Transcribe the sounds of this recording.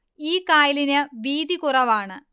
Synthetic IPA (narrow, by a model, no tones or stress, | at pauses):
iːkaːjilinɨʋiːd̪ikurɐʋaːɳɨ